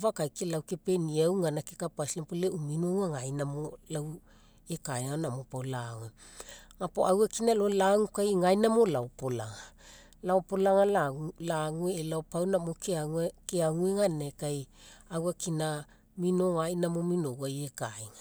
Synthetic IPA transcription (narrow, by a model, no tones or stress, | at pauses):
vakajkelawke̞pe̞niawŋanakekapaslempoleuminowŋaŋajnamo̞law | ekajŋanamopawlaŋue | ŋapoawakinalolaŋukajŋajnamo̞laopola̰ŋa | laopo̞laŋalaulaŋueːlaopawnamokeaekeaŋueŋanakajawakina | mino̞ŋajnamo̞mino̞wajekaiŋa